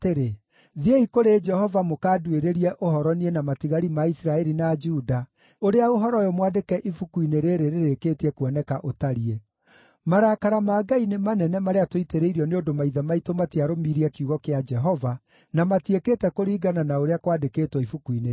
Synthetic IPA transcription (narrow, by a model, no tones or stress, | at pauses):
teɾe | ðieikoɾed͡ʒɛhɔvamokaːdweɾeɾiɛʔohɔɾɔnienamatiɣaɾimaisɾaɛɾinad͡ʒuda | oɾeaoɦɔɾɔjɔmwadekɛʔifukuineɾeːɾeɾeɾekeːtiɛkwɔnɛkaʔotaɾie | maɾaːkaɾamaːɡainemanɛnɛmaɾeatoiteɾeiɾiɔneondomaiðamaitomatiaɾomiːɾiɛkiuɣɔkead͡ʒɛɦɔva | namatiekeːtɛkoɾiːɡananaoɾeakwadekeːtwɔifukuine